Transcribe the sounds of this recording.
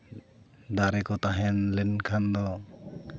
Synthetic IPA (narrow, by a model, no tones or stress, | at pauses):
d̪aɾɛkɔt̪aɦɛnlɛnkʰand̪ɔ